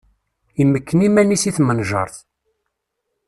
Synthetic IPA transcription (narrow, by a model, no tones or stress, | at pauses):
imːəkːənimænisiθmənʒɑ̰ɾˤθ